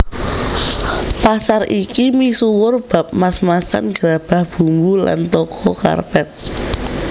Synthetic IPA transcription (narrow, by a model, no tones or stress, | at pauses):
pasarʔikimisuwʊrb̥ä̤p̚masmasa̰nd͡ʒɾab̥ä̤hb̥ṳŋɡula̰nt̪ɔkʰɔka̰rpɛt̪̚